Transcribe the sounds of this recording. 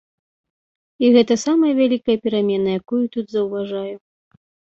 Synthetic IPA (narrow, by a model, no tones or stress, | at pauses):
iɣɛt̪ɐsamɐjɐvʲalʲikɐjɐpʲɛɾamʲɛnɐjakujut̪ud̪zɐwvaʐaju